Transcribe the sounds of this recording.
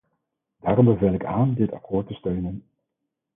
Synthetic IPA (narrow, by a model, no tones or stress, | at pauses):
daːɾɔmbəvejlɪkaːndɪtɑ̰koːɹtəstøɥnən